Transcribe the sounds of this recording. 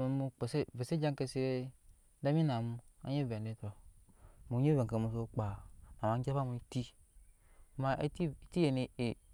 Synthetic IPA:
e˨˦mu˦k͡pe˨se˦ve˨se˦d͡ʒã˦ŋke˨se˦ɾe˦ | da˦mi˦na˨mu˦a̰˦ɲe˦˨vɛ˨n˨de˨˦tɔ˨ | mu˨˦e˦vɛ˨ke˨mu˨˦s̬o˦k͡pa˨na˨ma˨˦d͡ʒa˦fa˦mu˨˦i˦ti˦˨ | ma˨ʔe˦i˦ti˦e˨ne˨e˨

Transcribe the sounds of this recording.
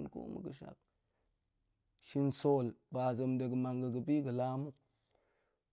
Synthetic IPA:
nko̰˦mə̰˨ɡə˨ʃa̰˨k̚ | ʃi˦nso˦lba˨zə˨mdə˨ɡə˨ma˨ŋɡə˨ɡə˨bi˦ɡə˨la˦mu˦k

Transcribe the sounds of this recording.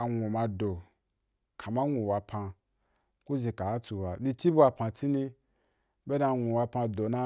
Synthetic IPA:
a˨ŋʷu˨mã˧do˨ | kʰa˨mã˦ŋʷũ˨wa˧pʰã˧ | ku˦ze˧ka˨a˦tu˧wa˧li˧t͡ʃi˦bu˦a˧pã˧ti˦ni˧ | be˦da˧˨ŋʷũ˨wa˧pã˧do˨nã˧

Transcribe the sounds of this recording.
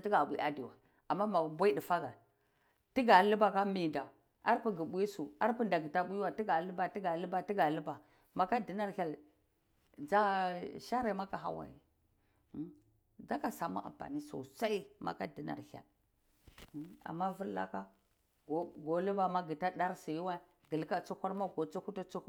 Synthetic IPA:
ti˦ɡa˨bʷḭ˨ʔa˨di˨wa̰˨ | a˨mːa˦ma˨bʷa˦i˦di˨fa˦ɡa˨ | ti˦ɡa˨lu˦ba˨ka˦mi˨nda˨ | a˦ɾpi˦ɡi˨ɓu˦i˦su˨a˦ɾpu˦nda˨ɡi˨ta˦ɓu˦ji˦wa˨ti˦ɡa˨lu˦ba˨ti˦ɡa˨li˦ba˨ti˦ɡa˨lu˦ba˨ | ma˨ka˦di˨na˦ɾhʲa˨l | d͡za˦ʃa˦ɾa˨ma˦ka˨ɦa̰˦wa̰˨jḭ˨˦ | da˦ka˨sa˨ma̰˦ʔa̰˨mpa̰˨ni˦so̰˨sa˦i˦ma̰˨ka˦di˨na̰˨ɾha̰˨l | a̰˨mːa˦vu˦ɾla̰˦ka˦ | ɡo˨ɡo˨lu˦ba˨ma˦ɡi˨ta˦ɗa˦ɾsi˨ji˦wa˦˨ | ɡə˨lka˦t͡su˦kʷa˦ɾma˦ɡo˨t͡su˦ku˦ta˦t͡su˦ku˦

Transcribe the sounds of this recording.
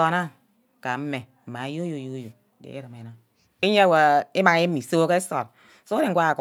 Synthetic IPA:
ɔ˨na˦ | ka˨m̩˦me˨m̩˨ma˨˦jo˦jo˨jo˦jo˨dḛ˨e˦ɾɨ˨me˨na˦ | e˦ɲe˦a˦˨wa˨e˦ma˨ŋ˦e˦mi˨so˦ke˦e˦so˨t̚ | so˦de˨ŋ̩ʷ˦a˦a˨k

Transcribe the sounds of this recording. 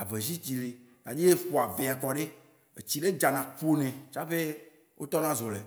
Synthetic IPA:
a˨ve˨zi˦t͡ɕi˨le˨ | ɡa˨d͡ʒi˦e˦ɸo˨a˨ve˨a˨kɔ˨ɖe˦ | ḛ˨t͡ɕi˨ɖe˦d͡ʒa˨nã˨k͡po˦nɛ̃˨t͡ʃa˦ɸe˦ | wʔo˦t̪ɔ˦nã˦zɔ˨le˨

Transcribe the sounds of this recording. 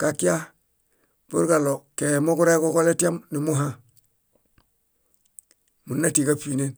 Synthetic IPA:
ka˨ki˦a˦ | b̥ṵ˦ɾɡa˨lo˨ke˨mo˦ku˦ɾa˦koko˦le˦ti˦a˦mni˨mu˦ɦã | mu˨nːatikapine˦n

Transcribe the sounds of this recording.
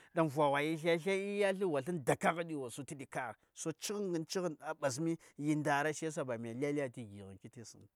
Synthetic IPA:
da˨n˨vʷa˨wa˨ji˦ɬa˦ɬa˦i˦ja˦ɬi˦wa˨ɬi˦nda˨ka˦ɣa˦ɗi˦wa˨su˦ti˦di˨ka˦ɣso˦t͡ʃi˦ɣŋɡi˦nt͡ʃi˦ɣna˨ɓa˨s̬mi˦ji˦nda˨ɾa˦ʃe˦s̬a˦ba˨m˨a˨li˦a˦li˦ja˦ti˦ɡi˨ɣḭ˨nki˦ti˦sḭ˦n˨

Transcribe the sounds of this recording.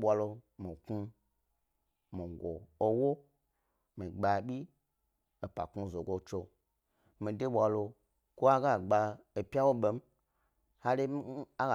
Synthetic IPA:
ɓʷa˧lo˧mi˨ku˦ | mi˨ɡʷo̰˨o˦wo˦ | mi˨ɡ͡ba˧ɓʲi˦ | o˨pa̰˨ku˧˨zo˨ɡo˨t͡ʃo˧ | mi˨de˦ɓʷa˨lo˧ | ko˦a˦ɡa˦˨ɡ͡ba˧e˨pʲa˦wo˦ɓe˨m̩˦ | ha˦le˦a˦ɡa˨

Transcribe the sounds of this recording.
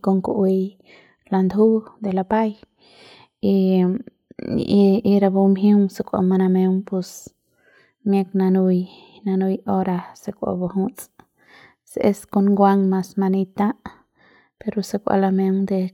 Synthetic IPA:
ko˧ŋku˧ʔi˧j | la˧nd̪u˦d̪e˨la˧pa˦j | i˧ | i˧ɾa˧bu˧mɦi˦ŋse˧kʷa̰˧ma˧na˧me˧ŋpu˧s | mje˧kna˧nu˧j | na˧nu˧jo˦ɾa˧se˧kʷa̰˧bo˧ɦũ˦t͡sʼ | sḛ˧sko˧nɡʷa˧ŋma˧sma˧ni˧t̪ã˦ʔ | pe˧ɾo˧se˧kʷa̰˧la˧me˧ŋd̪e˧

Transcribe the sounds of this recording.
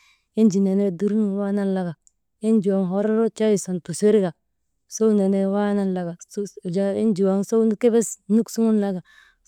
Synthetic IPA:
i˦nd͡ʒi˨ne˨ne˦du˦ɾu˦n˨˦wa˦na˦nla˦ɡa˨ | i˦nd͡ʒu˨wa˨ŋɦo˦ɾo˦ɾo˦t͡ʃa˦ji˨so˨npu˨se˦ɾi˦ɡa˨ | so˦ne˨ne˦wa˦na˦nla˨ɡa˨sd͡ʒa˦i˦nd͡ʒi˨wa˨ŋso˦u˦n˦ke˦be˦snu˦ksu˦ŋu˦nla˦ɡa˨

